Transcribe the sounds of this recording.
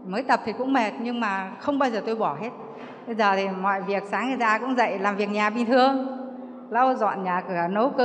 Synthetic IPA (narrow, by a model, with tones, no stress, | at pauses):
məː˨˦jt̪ə˨˩p̚t̪ʰi˨˩kʊ̰˧˥ŋ͡mme˨˩t̚ɲɨ˧ŋmaː˨˩xə˧wŋ͡mɓaː˧wzəː˨˩t̪o˧jɓɔ˧˩ɦe˦˥t̚ | ɓə˧jzəː˨˩t̪ʰi˨˩mɔ̰˧˨jvi˨˩ək̚saː˨˦ŋɨ˨˩jt̪aː˧kʊ̰˧˥ŋ͡mzə̰˧˨jlaː˨˩mvi˨˩ək̚ɲaː˨˩ɓḭ˧˩nt̪ʰɨ˧əŋ | lə˧wzɔ̰˧˨nɲaː˨˩kɨ˧˩ənə˨˦wkː